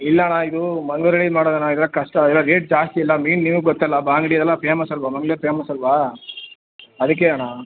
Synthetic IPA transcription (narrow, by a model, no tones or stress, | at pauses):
ilːɐnaid̪umɐŋɡɭuɾeɭiːd͡ʒmaːɽoːd̪ɐnaid̪ɛlːɐkɐʂʈɐɛlːɐɾeːʈ̚d͡ʒaːst̪iilːɐmiːnniʋuɡɡɔt̪ːɐlːɐbaːŋɡɐɽijd̪ɛlːɐpʰeːmɐsɐlʋɐmɐŋɡɭeːɾpʰeːmɐsɐlʋa | ɐd̪ɐk̬ːeaɳa